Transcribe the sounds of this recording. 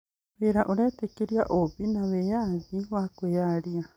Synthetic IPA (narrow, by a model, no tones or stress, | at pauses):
βeɾaʔuɾetekiɾjaʔoβinaβejaβiβakwejaɾia